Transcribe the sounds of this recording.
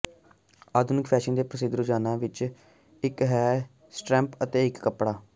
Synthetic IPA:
aːd̪ʊnɪkpʰɛːʃənd̪eːpɾəsɪd̪əɾod͡ʒaːnãːʋɪt͡ʃ | ɪkɦɛː | sʈɾɛ̃ːmpət̪eːɪkːəpɽaː

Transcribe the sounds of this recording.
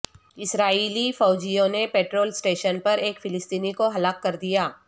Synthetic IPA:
ɪsɾaːiːlifɔːd͡ʒijõnepeːʈɾoːlsʈeːʃənpɐɾeːkfɪlɪst̪iːnikoɦɐlaːkːɐɾd̪ijaː

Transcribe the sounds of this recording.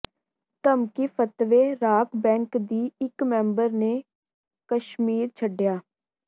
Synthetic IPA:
t̪əmkipʰət̪ʋeːɾaːkbɛ̃ːŋkd̪iːɪkmɛ̃ːmbəɾneː | kəʃmiːɾt͡ʃʰəɖjaː

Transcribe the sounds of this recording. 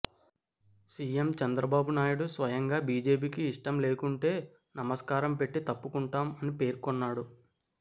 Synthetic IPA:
siːjemt͡ʃɐnd̪ɾɐbaːbunaːjuɽusʋɐjɐŋɡaːbiːd͡ʒe̞ːp̬iːkiːʂʈɐmle̞ːkuɳʈe̞ː | nɐmɐskaːɾɐmpe̞ʈːit̪ɐpːukuɳʈaːmɐnipe̞ːɾkɔnːaːɽu

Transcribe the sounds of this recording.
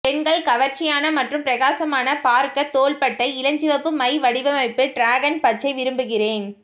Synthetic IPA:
pɛnɡɐɭkɐʋɐɾt͡ʃɪjaːnɐmɐʈrɯmpɪɾɐɣaːsɐmaːnɐpaːɾkɐt̪oːɭpɐʈːɐɪɪlɐɲd͡ʒɪʋɐpːɯmɐɪʋɐɽɪʋɐmɐɪpːɯɖɾaːɣɐnpɐt͡ʃːɐɪʋɪɾɯmbɯɣɪreːn

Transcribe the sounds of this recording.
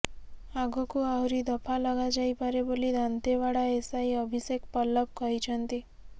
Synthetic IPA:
aɡɔkuawɾid̪ɔpʰalɔɡad͡ʒajpaɾebolid̪ant̪eʋaɽaesajɔbʱisekpɔlːɔp̚kɔɦit͡ʃʰɔnt̪i

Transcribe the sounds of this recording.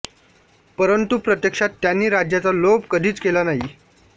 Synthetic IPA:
pəɾənt̪upɾət̪jəkʂat̪ːjanːiːɾad͡ʑjat͡salobkəd̪ʱiːt͡skelanaɦi

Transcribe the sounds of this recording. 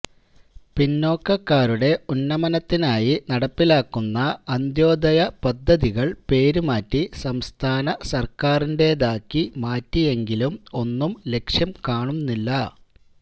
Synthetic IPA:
pinːo̞ːkːɐkːaːɾuɽe̞unːɐmɐnɐt̪ːinaːjinɐɽɐpːilaːkːunːɐɐnd̪jo̞ːd̪ɐjɐpɐd̪ʱːɐðiɣɐɭpe̞ːɾumaːtːisɐmst̪ʰaːnɐsɐrkaːrinde̞ːðaːkːimaːtːije̞ŋɡilumo̞nːumle̞kʂjɐmkaːɳumnːilːɐ

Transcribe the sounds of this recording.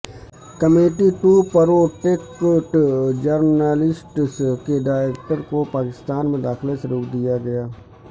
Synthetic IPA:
kəmeːʈiʈuːpəɾoːʈekoʈd͡ʒəɾnaːlɪsʈskeɖaːeːk̚ʈəɾkopaːkɪst̪aːnmẽd̪aːxlesəɾoːkʰd̪ɪjaːɡəjaː

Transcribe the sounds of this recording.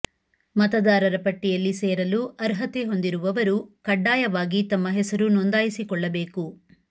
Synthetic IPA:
mɐt̪ɐd̪aːɾɐɾɐpɐʈːijɐlːiseːɾɐluʔɐɾɦɐt̪eɦo̞nd̪iɾuʋɐʋɐɾukɐɖːaːjɐʋaːɡit̪ɐmːɐɦɛsɐɾunɔnd̪aːjisikɔɭːɐbe̞ːku

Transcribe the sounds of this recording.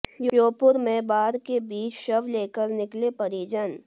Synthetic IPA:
joːpʊɾmẽːbaːɾkebiːt͡ʃʃɐʋleːkəɾnɪklepɐɾiːd͡ʒən

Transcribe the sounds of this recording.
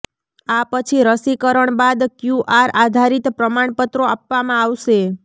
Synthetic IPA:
apət͡ʃʰiɾəsikəɾəɳbad̪kjuʔaɾad̪ʱaɾit̪pɾəmaɳpət̪ɾoapʋamãaʋʃe

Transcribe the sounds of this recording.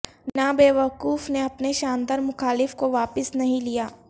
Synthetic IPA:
nabeːʋɐkuːfneɐpneʃaːnd̪aːɾmʊxaːlɪfkoʋaːpɪsnɐɦĩlijaː

